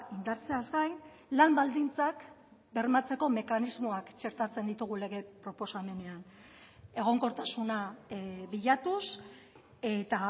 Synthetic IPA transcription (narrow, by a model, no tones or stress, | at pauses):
ind̪aɾt͡se̞azɡajn | lambald̪int͡sak | be̞ɾmat͡se̞ko̞me̞kanizmo̞akt͡ʃe̞ɾt̪at͡se̞nd̪it̪uɣ̞ule̞ɣe̞pɾo̞po̞same̞ne̞an | e̞ɣ̞o̞ŋko̞ɾt̪asunaβiʎat̪us | e̞t̪a